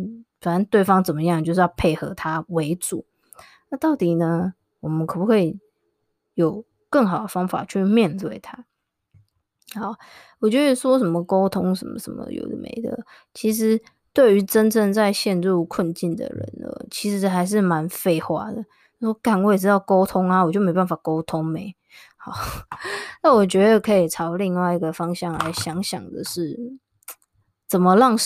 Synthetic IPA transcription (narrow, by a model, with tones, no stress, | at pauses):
fa˨˩na˧˦nt̪we˥˩ɪfɑ˥ŋt͡sə˨˩nmə˦jɑ˥˧ŋt͡ɕjo˥˧ʊʂ̬ɻ̩˥˧jɑ˥˧pʰe˥˩ɪxɤ˧˥t̪ʰa˥we˧˥ɪt͡su˨˩˦ | na˥˧t̪ɑ˥˩ʊt̪i˨˩nə˦ | wɔ˨˩mə˦nkʰɤ˨˩pu˥kʰwe˥˩ɪ˨ | jo˨˩ʊ | kə˥˩ŋxɑ˨˩ʊd̪ə˨fɑ˥ŋfa̰˨˩t͡ɕʰy˥˨mjɛ˥˧nt̪we˥˩ɪt̪ʰa˥ | ha˨˧˦ | wɔ˨˩t͡ɕjoɔ˥˧˨swɔ˦ʂə˧˦nmə˨ko˥ʊt̪ʰʊ˥ŋʂə˧˦nmə̰˨˩ʂə̰˧˦mə̰˧jo̰˨˩ʊd̪ə̰˨mḛ˧˥ɪd̪ə̰˨˩ | t͡ɕʰi˧˥ʂ̬ɻ̩˧˥ | t̪we˥˩ɪy˧˥ʈ͡ʂə˦nʈ͡ʂə˥˧ŋt͡sa˥˧ɪɕjɛ˥˧nɻu˥˨kʰwə˥˨˧nt͡ɕi˥˩nd̪ə̰˩ɻə̰˧˦nə̰˩t͡ɕʰi˧˥ʂɻ̩˧˥xa˧˥ɪʂ̬ɻ̩˥˩ma˧˦nfe˥˧ɪxwa̰˥˩d̪ə˨ | ʂwɔ˥ka˨˩nwɔ˧˥jʈ͡ʂɻ̩˥t̪ɑ˥˩ʊko˥ʊt̪ʰʊ˥ŋa˨wɔ˨˩t͡ɕjo˥˩ʊme˥ɪba˥˩nfa˨˩ko˥ʊt̪ʰʊ˦ŋme˨˦ɪ | hɑ˨˩˦ | na˥˩wɔ˨˩t͡ɕɥɛ˧˥d̪ə˨kʰɤ˧˥i˨˩ʈ͡ʂʰɑ˧˥ʊli˥˧ŋwa˥˩ɪi˧ɡə˨fɑ˥ŋɕjɑ˥˨ŋla̰˧˥ɪɕjɑ˧˦ŋɕjɑ̰˨˩ŋd̪ə̰˨ʂɻ̩˥˩ | t͡sə˨˩mə˦lɑ˥˩ŋ